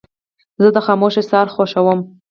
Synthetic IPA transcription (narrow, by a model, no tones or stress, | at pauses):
zəd̪əxɑmoʃesɑɾxoʃawəm